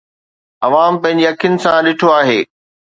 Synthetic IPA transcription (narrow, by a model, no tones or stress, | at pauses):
ɐʋaːmpɐ̃ɦɪ̃ɲd͡ʑiɐkʰijʊnɪ̆sãɗɪʈʰoaːɦeː